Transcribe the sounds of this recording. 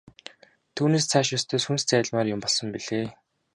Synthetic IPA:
t̪ʰuːneːst͡sʰaːʃɔst̪ʰeːsxunst͡sæːɮmaːrjʊmpɔɮsɞ̆mpiɮ̥eː

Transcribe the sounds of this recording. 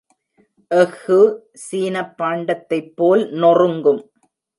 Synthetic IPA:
ʔɛɣɯ | siːnɐpːaːɳɖɐt̪ːɐɪpːoːlnɔrɯŋɡɯm

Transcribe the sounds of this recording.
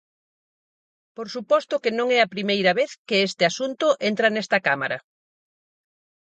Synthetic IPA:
poɾsupɔst̪ʊkenõŋɛɐpɾimejɾɐβeθkeest̪ɪasunt̪ʊʔent̪ɾɐnɛst̪ɐkamaɾɐ̰

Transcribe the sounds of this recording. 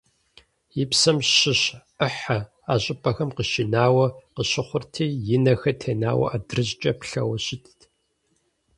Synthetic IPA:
jɪpsɐmɕɪɕ | əħɐ | aːɕʼɪpʰʼɐxɐmqəʃinaːwɐqəɕɪχʷʊrtʰiːjɪnɐxɐtʰeːnaːwɐ̰ʔaːdrɨʑt͡ʃʼɐpɬɐ̰wɐɕɪtʰ

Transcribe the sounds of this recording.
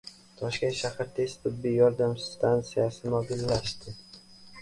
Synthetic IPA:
t̪ʰɒʃkʲenʃahɾt̪ʰe̞st̪t̪ʰɪb̪ːijɒɾd̪amst̪ʰant̪sijasɪmɒbɪlːaʃt̪ɪ

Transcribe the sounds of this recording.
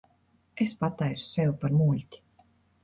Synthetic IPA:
espat̪ɛjsu̥sewpaɾmuːlʲt̪ʲi̥

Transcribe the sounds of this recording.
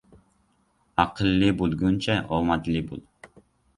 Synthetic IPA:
ɑqʰəlːɨbulˠɡunt͡ʃʰɛʔomɑt̪lɨbṵlˠ

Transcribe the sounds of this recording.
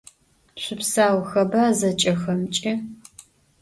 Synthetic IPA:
ɕʷʊpsaːwxɐbaːzɐt͡ʃʼɐxɐmt͡ʃʼɪ

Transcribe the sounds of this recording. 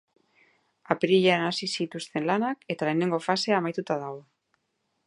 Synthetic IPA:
apeɾiʎeanasisit̪ust̪e̞nlanake̞t̪ale̞ːne̞ŋɡo̞fase̞amajt̪ut̪aðaɣo

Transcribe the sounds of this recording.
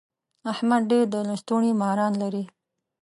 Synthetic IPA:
ahmad̪ɖeɾd̪əlast̪uɳimahaɾɑnlaɾi

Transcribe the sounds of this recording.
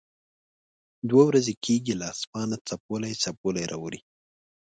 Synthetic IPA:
d̪wawɾazekʰeɡilɑsmɑnat͡sap̚olajt͡sapolajɾʔɑ̰wɾi

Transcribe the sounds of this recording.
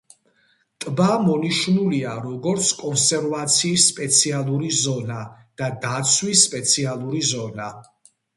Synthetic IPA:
t̪ʼbamɔniʃnuliaɾɔɡɔɾt̪sʰkʼɔnsɛɾvat̪sʰiːsːpʼɛt̪sʰialˠuɾizɔna | d̪̥ad̪at̪sʰwisːpʼɛt̪sʰialˠuɾizɔna

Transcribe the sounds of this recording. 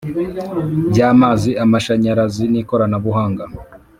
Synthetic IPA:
bɟaːmaːziamaʃaɲaɾaziniːko̞ɾanaβuɦaːŋɡa

